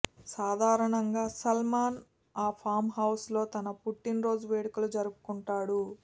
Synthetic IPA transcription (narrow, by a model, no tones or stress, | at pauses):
saːd̪ʱaːɾɐɳɐŋɡaːsɐlmaːn | aːpʰaːmɦɐwslo̞ːt̪ɐnɐpuʈːinɾo̞ːd͡ʒuʋeːɽikɐlud͡ʒɐɾupu̥kuɳʈaːɽu